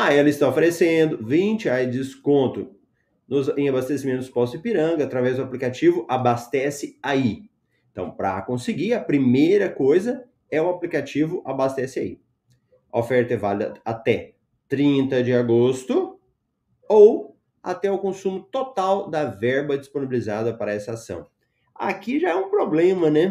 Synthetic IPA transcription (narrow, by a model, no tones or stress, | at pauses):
aɛlɐɪst̪aofeɾesẽnd̪ʊvĩt͡ʃɪajzd͡ʒɪd͡ʒɪskõnt̪ʊ | nʊzẽabast̪esimẽnt̪ʊ̥spɔsɪpiɾɐ̃ŋɡɐat̪ɾavɛzd̪ʊaplikat͡ʃivʊʔabast̪ɛsɪai | ẽt̪ɐ̰̃w̃pɾɐ̰kõsɪɡiɐpɾimejɾɐkojzɐ | ɛʊaplikat͡ʃivʊʔabast̪ɛsɪa̰ḭ | ɐofɛɾt̪ɐvalɪd̪ɐat̪ɛ | t̪ɾĩnt̪ɐd͡ʒɪaɡost̪ʊ | ow | a̰t̪ɛʊkõsũmʊt̪ot̪awd̪ɐvɛɾbɐd͡ʒisponibilizad̪ɐpaɾɐɛsɐasɐ̰̃w̃ | a̰kiʒaɛũpɾoblẽmɐnɛ